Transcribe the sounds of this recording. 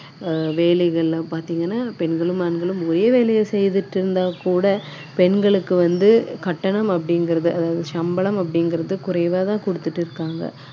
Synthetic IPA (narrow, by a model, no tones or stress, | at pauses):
ʋeːlɛɣɐɭlãːpaːɾt̪iːŋɡɐnːaːpɛnɡɐɭɯmɐnɡɐɭɯmɔɾɐjɐʋeːɭɛjɐsɛjðɯʈːɪɾɯnd̪aːkuːɽɐ | pɛnɡɐɭɯkːɯʋɐnd̪ɯkɐʈːɐɳɐmɐpːɐɽɪŋɡɪɾɐðɯʔɐðaːʋɐðɯʃɐmbɐɭɐmɐp̬ːɐɽɪŋɡɪɾɐðɯkʊɾɐɪʋaːt̪ãːkʊɽɯt̪ːɯʈːɪɾɯkːaːŋɡɐ̰